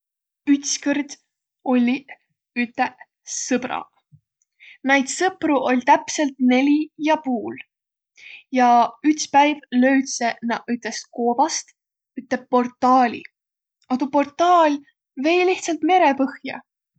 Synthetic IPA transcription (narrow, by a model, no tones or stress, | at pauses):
yt̪skərd̪̥ | o̞lʲːi | yt̪ːˑeʔ | sɤb̥ɾɑ̰ | næjd̪̥sɤpruʔo̞lʲt̪æpse̞lt̪ne̞lʲijɑpuːl | jɑyt̪spæjvlø̞ɥt̪senɑyt̪ˑle̞sko̞ːbɑst̪ | yt̪ːˑeb̚po̞rt̪ːˑɑːlʲḭ | ɑt̪upo̞rt̪ːˑɑːlʲ | ve̞ːjliht̪sɑlt̪me̞ɾe̞pɤhjɑ̰